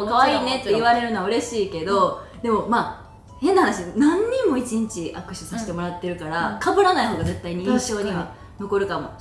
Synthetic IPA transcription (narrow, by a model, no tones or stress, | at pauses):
kaβaiːne̞t̪ːe̞iβaɾe̞ɾɯ̟noaɯ̟ɾe̞ɕiːke̞d̪o̞d̪e̞mo̞maː | he̞nːahanaɕinãɲ̟ːĩmːo̞it͡ɕĩɲt͡ɕiʔakɯ̟ɕɨsaɕi̥t̪e̞mo̞ɾat̪ːe̞ɾɯ̟kaɾakabɯ̟ɾanaiɦo̞ːɡaze̞t̪ːaiɲ̟iĩɕo̞ːɲ̟iβa | no̞ko̞ɾɯ̟kamo̞̰